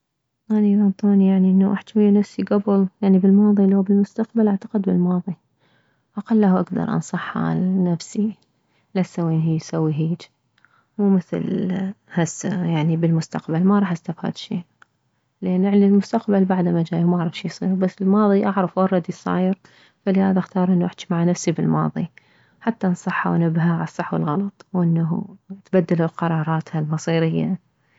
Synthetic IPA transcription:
ʔanilant̪ˤoːnijaʕniʔɪnːaʔaħt̪wajːanafsiɡabʊljaʕnibɪlmɑːðˤilːhuːbɪlmʊst̪aqbalʔaʕt̪ḁqɪd̪bɪlmɑːðˤi | ʔɑqalːahʔa̰ɡd̪ɑ̰ɾˤʔɑ̰nsˤɑħːa̰nafsi | lasːawːiːnɦijsawːiɦiːd͡ʒ | muːmɪθlhasjaʕnibɪlmʊst̪aqbalmaɾˤɑːħʔast̪afha̰ːd̪ʃːḭː | lʔanːʔɪʕnɪlmʊst̪aqbalbaʕd̪amad͡ʒaːjumaʔaʕɾˤɑfʃiːjsˤḭːɾubasːɪlmɑːðˤiʔɑʕɾˤɑfwɑrˤːɑd̪isˤɑ̰ːjɪɾ | falɪhaːðaxt̪ɑːɾˤʔɪnːuʔɪħt̪imaʕanafsibɪlmɑ̰ːðˤi | ħat̪ːansˤɑħːa̰wnɪbːɦaʕaɑsˤːɑħwɪ̰lɣɑlɑt̪ˤwʔɪnːa̰t̪bad̪ːɪlalqɑɾˤɑːɾˤɑːt̪halmɑsˤiːɾɪjːa̰

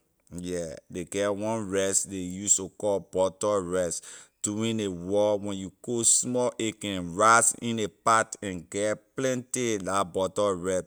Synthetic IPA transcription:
jɛdeɡɛwɔ̃nɹɛsdejustokɔbɔtɔɹɛsd̥uĩnewɔwɛ̃njuɡ̥osmɔʔekɛ̃nɹasḭ̃nepatɛ̃nɡɛplɛ̃ntilabɔtɔɹɛt

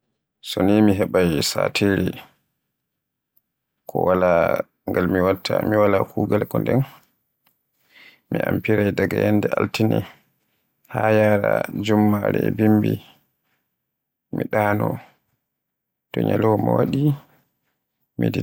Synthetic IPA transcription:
sɔnimiɦɛɓajsaːtʰeɾi | kʰɔwala | ŋɡalmiwatʰːamiwalakʰuːɡalkɔndɛn | miʔampiɾajdaɡajɛndɛaltinɛ | hajaɾad͡ʒumːaɾɛbimbi | miɗaːnɔ | tɔɲalɔmɔwaɗi | midi

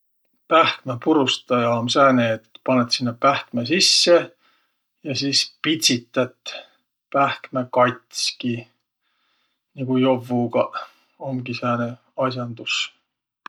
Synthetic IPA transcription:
pæhkmepuɾust̪ɑjɑomsæːneːt̪ːpɑnet̪sinːepæhkmesisːe | jɑsiːspit̪ʲsit̪ːˑɑt̪ | pæhkmekɑjt̪ski | niɡ̥ujo̞vːuɡ̥ɑ | omɡisæːne | ɑs̬ʲjɑnd̪us

